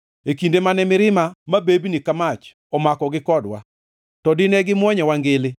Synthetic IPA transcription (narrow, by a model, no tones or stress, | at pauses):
ekindemanɛmɪɾɪmamabebnikamat͡ʃ | ɔmakɔɡɪkɔdwa̰ | tɔdɪnɛɡɪmwɔɲɛwaŋɡɪlɪ